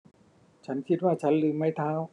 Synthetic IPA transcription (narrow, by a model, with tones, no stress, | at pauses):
t͡ɕʰa˦˥nkʰi˧t̪̚waː˥˩t͡ɕʰa˦˥nlɯː˧˦ma˧˥˩jt̪ʰaː˧˥w